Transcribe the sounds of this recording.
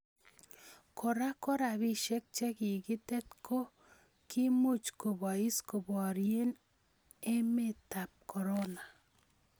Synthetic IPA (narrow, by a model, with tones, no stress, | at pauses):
kɔ˨ɾa˦kɔ˦ɾa˨βi˦ʃɛ˦k̚t͡ʃɛ˦kɪ˨ɡɪ˦tɛ˦tkʰo˦ | kʰɪ˦mo˦t͡ʃko˨ba˨i˦sko˨bɔ˨ɾje˦n | e˦me˦ta˨p̚kʰɔ˨ɾɔ˦na˨